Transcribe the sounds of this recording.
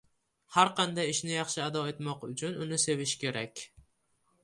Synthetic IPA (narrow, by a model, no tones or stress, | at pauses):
haɾqʰɑnd̪ajɪʃnɪjɑχʃɪad̪ɒe̞t̪mɒqʊt͡ʃʰʊnʊnɪse̞vɪʃkʲʰe̞ɾakʲ